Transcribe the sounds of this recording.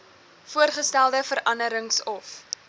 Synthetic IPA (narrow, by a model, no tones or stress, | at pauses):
fuərχəstælˠdəfəɾʔɐnəɾəŋsɔf